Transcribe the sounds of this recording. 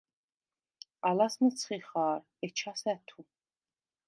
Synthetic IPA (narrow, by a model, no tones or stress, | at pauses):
alasnət̪t͡sʰχiχaːɾ | ɛt͡ʃʰasɛt̪ʰu